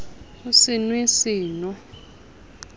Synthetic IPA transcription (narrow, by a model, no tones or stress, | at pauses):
usinwisiːnɔ